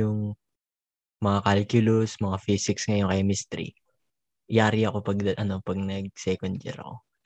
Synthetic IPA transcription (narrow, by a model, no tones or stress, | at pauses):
ʊŋ | mɐŋakalɪkjulosmɐŋafisɪksŋɐjoŋkɐjamist̪ɛɾḭ | ʔjaːɾiɐko̞pɐɡ̚d̪ɐʔɐno̞pɐɡ̚nɐɡ̚sɛkond͡ʒɛ̰ɾɐ̰ko̞̰